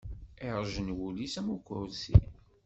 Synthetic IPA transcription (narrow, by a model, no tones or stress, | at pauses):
eɾʒənwulisæmukɾsḭ